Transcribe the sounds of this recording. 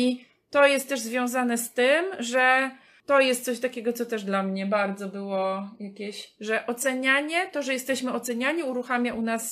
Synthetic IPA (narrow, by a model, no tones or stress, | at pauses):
i | t̪ɔjɛst̪̚t̪ːɛʐzvʲjɔ̃w̃zanɛst̪ɘmʐɛ | t̪ɔjɛst̪sɔɕt̪akʲɛɡɔt̪sɔt̪ɛʐd̪lamɲɛbaɾd̪zɔbɘwɔjakʲeɕʐɛʔɔt̪sɛɲaɲɛt̪ɔʐɛjɛst̪ɛɕmɘɔt̪sɛɲaɲiuɾuxamʲjaʔunas